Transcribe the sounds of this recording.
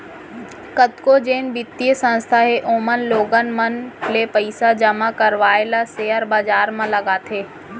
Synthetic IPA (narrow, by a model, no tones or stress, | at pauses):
kət̪kod͡ʒeːnbɪt̪ːiəsə̃nst̪ʰaɦeʔoːmənloːɡənmənlepəɪsad͡ʒɐmakɐɾʋaːelasejəɾbaːd͡ʒaːɾmãlɐɡaːt̪ʰeː